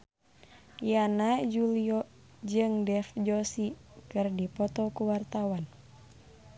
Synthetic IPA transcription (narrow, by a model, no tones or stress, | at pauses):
janad͡ʒuliɔ | d͡ʒɨŋdɛfd͡ʒɔsikɨrdipɔt̪ɔkuwart̪awan